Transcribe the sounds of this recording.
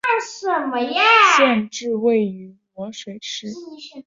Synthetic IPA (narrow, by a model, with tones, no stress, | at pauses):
s̩˥˩mə˧˩˥ʂə˥˧nʈ͡ʂɻ̩˥˧we˥˩ɪy˧˥mwɔ˧˥ʂwe˨˧˥ɪʂɻ̩˥˧˥